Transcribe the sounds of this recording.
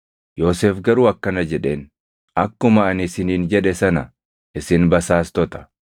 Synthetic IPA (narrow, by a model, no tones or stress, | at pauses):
jo̞ːseːfɡɐɾuːɐkːɐnɐd͡ʒɛᶑe̞ːn | ʔɐkːʊmɐːnɪsɪniːnd͡ʒɛᶑɛsɐnɐ̰ | ʔɪsɪnbɐsaːst̪ɔt̪ɐ̥